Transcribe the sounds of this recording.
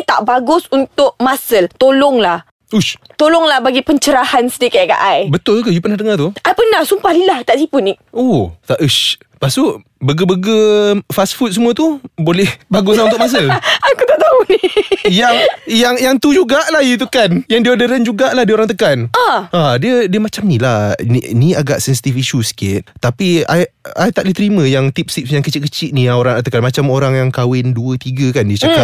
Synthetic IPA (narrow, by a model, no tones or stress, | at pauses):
t̪a̰ʔbaɡʊsunt̪ʊʔ̚masəlt̪olɔŋlah | uʃt̪olɔŋlahbaɡipəɲt͡ʃəɾahansədikat̪̚ka̰ʔajbət̪ʊlkəjupərnahdəŋat̪uʔajpərnahsumpahlilaht̪aʔt̪ipuniʔ̚ot̪aʔəʃ | pasʊʔ | bəɡəbəɡəfasfut̪̚səmuat̪ubolɛhbaɡʊslaut̪ʊkmas̬əlakut̪aʔt̪aunijaŋjaŋjaŋt̪ud͡ʒuɡaʔlahit̪̬ukanjaŋdiəodəɾənd͡ʒuɡaʔlahdiəoɾaŋt̪̬əkanaʔadiədiəmat͡ʃamnilahniiniaɡaʔsɛnsi̥t̪ifisusə̥kɪt̪̚t̪ːapiajajt̪aʔlit̪əɾimə̃jaŋt̪ip̚sip̚sjaŋkət͡ʃɪt̪̚kət͡ʃɪt̪ʔ̪̚nijaoɾaŋt̪əkanmat͡ʃamoɾaŋjaŋkawɪnduət̪iɡəkandiət͡ʃakap̚